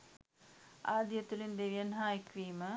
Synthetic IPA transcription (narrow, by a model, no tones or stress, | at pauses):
aːd̪jɐt̪ːulind̪eʋijɐnɦaːjikʋiːmə